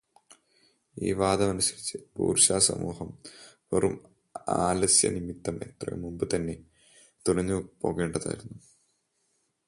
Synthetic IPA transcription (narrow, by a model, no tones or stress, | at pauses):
ḭːʋaːd̪ɐmɐnusɐɾit͡ɕːɨbṵːrɕaːsɐ̰mṵːhɐmʋɐrum | aːlɐsjɐ̰nimit̪ːɐme̞t̪rɐ̰jṵmumbɨt̪ɐnːe̞ | t̪uɽɐɲːɨpo̞ːɣeːɳɖɐða̰ːjiɾunːu